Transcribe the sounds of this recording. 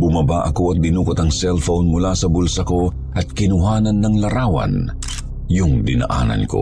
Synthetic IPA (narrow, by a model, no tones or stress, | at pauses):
bʊmɐbaʔɐko̞ɐt̪̚bɪnuːkot̪ɐŋsɛlfownmʊlasɐbʊlsɐko̞ | ʔɐt̪̚kɪnʊɦaːnɐnːɐŋlɐɾaːwɐ̰n | jʊŋd̪ɪnɐ̰ʔa̰ːnɐ̰nko̰